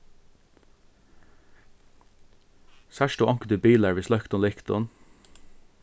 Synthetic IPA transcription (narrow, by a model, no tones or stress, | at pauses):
sæʃʈuːʔɑŋkəd̪ʉːbiːlæɹʋiːslœkt̪ɔnlɪkt̪ʊ̰n